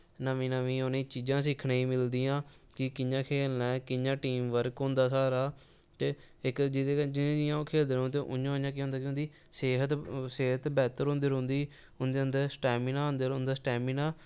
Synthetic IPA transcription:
nəʋĩːnəʋĩːonĩːt͡ʃiːd͡ʒãːsɪkʰnẽːĩːmɪld̪ɪjãːkɪkɪɲãːkʰeːlnɛ̃ːkɪjãːʈiːmʋəɾkɦʊ̃nd̪aːsaːɾaː | t̪eː | ɪkd͡ʒɪt̪eːd͡ʒɪnẽːd͡ʒɪjãːoːkʰeːld̪eɾõːt̪̬eːʔʊjãːõãːkiɦõːnd̪aːkɪʊ̃nd̪iː | seːɦət̪seːɦət̪bɛːt̪əɾɦʊ̃nd̪əɾʊ̃nd̪iː | ʊnd̪eənd̪əsʈɛːminaːɦʊ̃nd̪əɾʊ̃nd̪aːsʈɛːminaː

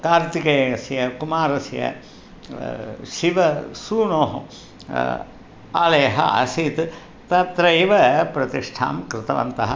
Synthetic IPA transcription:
kaːɾt̪ikɐːɐsjɐkumaːɾɐsjɐ̰ | ʃiʋɐsuːnoːɦɐ | a̰ːlɐjɐɦɐ̰ɐ̰sit̪ | t̪ɐt̪ɾɐjʋɐpɾɐt̪iʂʈʰa̰ːmkɾɪt̪ɐʋɐ̰nt̪ɐɦɐ

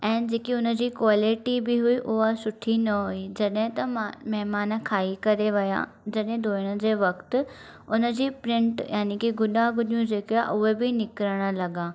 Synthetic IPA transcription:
ɛ̃ːd͡ʑeːkiʊnə̆d͡ʑiːkwaːlɪʈibɪɦʊiʔʊɦasʊʈʰinɐɦʊid͡ʑɐɗɦɪ̃t̪ɐmɐɦmaːnəkʰaːikɐɾeʋɪja̰ | d͡ʑɐɗɦɪ̃d̪ʱoːɪɽ̃əd͡ʑeːʋɐkt̪ɪ̆ | ʊnə̆d͡ʑiːpɾɪ̃ɳʈjʔaːnikiɡʊɗaɡʊɗijũd͡ʑeːka̰ʔʊɦebɪnɪkɾəɽ̃ə̆lɐɠãː

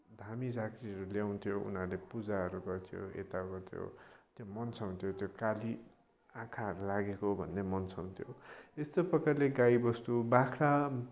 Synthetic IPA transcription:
d̪ʱamid͡zakɾiʌɾuljaw̃nt̪ʰjoṵnarlepud͡zaɦʌɾuɡʌrt̪ʰijo̰ḛt̪aɡʌrt̪ʰjo̰t̪jomʌnt͡sʰʌw̃nt̪ʰjot̪jokali | ãkʰaʌɾulaɡekobʱʌnːemʌnt͡sʰʌw̃nt̪ʰjoest̪oprʌkarleɡaibʌst̪ubakʰɾa

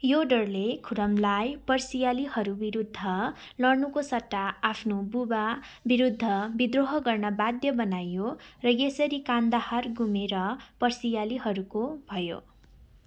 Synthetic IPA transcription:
joɖʌrlekʰuɾʌmlajpʌrsijaliɦʌɾubiɾud̪ʱːʌ | lʌrnukosʌʈːaːpʰnobuba | biɾud̪ʱːʌbid̪roɦʌɡʌrnʌbad̪jʌbʌnajorʌjesʌɾikand̪aharɡumeɾʌpʌrsijaliɦʌɾukobʱʌjo̰

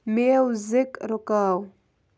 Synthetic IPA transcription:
mewzɪkɾokaw

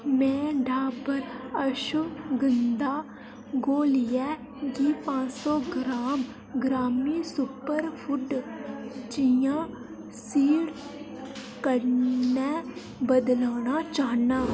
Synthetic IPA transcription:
mɛ̃ːɖʱaːbəɾəʃʊɡənd̪aː | ɡoːlɪjɛː | ɡiːpãːsɔːɡɾaːm | ɡɾaːmiːsʊpəɾpʰʊʈ | t͡ʃijãː | siːɽ | kəɾnɛː | bəd̪laːnaːt͡ʃaːnaː

